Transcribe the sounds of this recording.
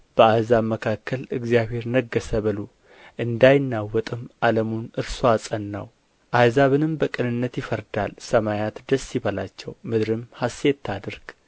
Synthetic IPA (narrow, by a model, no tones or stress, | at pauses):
b̥əazaβməkʰakʰːəlɨɡzijaβhe̞ɾnəɡːəsəβɨlu | ʔɨnd̪ajnːawɔt̪ʼɨmʔaləmunɨɾsoasʼənːa̰w | ʔazaβɨnɨmbəkʼɨnɨnːət̪jɪfəɾd̪alsəmajat̪d̪əsːiβəlat͡ʃːɛwmɨd̪ɾɨmhaset̪ʰːad̪ɨɾɡ̥